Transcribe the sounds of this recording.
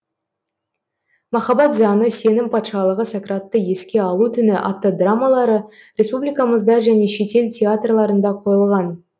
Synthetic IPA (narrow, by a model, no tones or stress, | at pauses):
mɑχɑbɑt̪zɑnəse̞nɪŋpʰɑt̪ʃɑlˠəʁəsakrat̪ːəje̞skʲe̞ɑlˠut̪ʰʏnɪʔa̰ft̪ːod̪ramalˠɑɾə | ɾʲe̞spublʲijkɑməzd̪ɑʒæne̞ʃe̞t̪e̞ltʲʰe̞at̪rlˠɑɾənd̪ɑqʰo̞jəlˠʁɑn